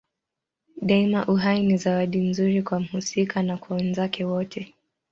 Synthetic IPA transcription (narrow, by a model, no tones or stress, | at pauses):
ɗaimaʔuɦainizawaɗim̩zuɾikwam̩husikanakwawɛnzakɛwɔtʰɛ